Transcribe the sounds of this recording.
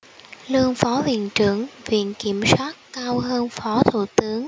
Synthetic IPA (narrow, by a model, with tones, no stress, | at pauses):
lɨ˧əŋfɔ˨˦hwḭ˧˨ənt͡ɕɨ˧˩əŋvḭ˧˨ənki˧˩əmswaː˦˥t̚kaː˧wɦəː˧nfɔ˨˦t̪ʰṵ˧˩t̪ɨ˨˦əŋ